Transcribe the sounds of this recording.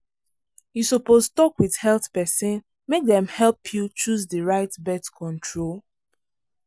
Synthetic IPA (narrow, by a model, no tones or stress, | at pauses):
jusɔpostɔkwið̥hɛlθpɛsɔ̃n | mek̚dɛ̃mhɛlpʰjut͡ʃuzdəɹaɪtbɛtkʰɔ̃ntʰɹol